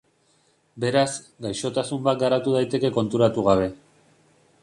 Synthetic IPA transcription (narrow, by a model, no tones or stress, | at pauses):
be̞ɾaz | ɡajʃo̞t̪asumbat̪̚ɡaɾat̪uð̞ajt̪e̞ke̞ko̞nt̪uɾat̪uɣ̞aβ̞e̞